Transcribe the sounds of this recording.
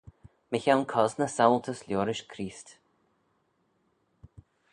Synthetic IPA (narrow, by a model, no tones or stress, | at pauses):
mɪçalkʰɔznəsawlˠt̪ʰəsljoːɾɪʃkʰɾiːst̪